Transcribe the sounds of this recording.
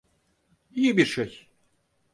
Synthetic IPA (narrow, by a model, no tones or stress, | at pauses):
ijibiɾʃej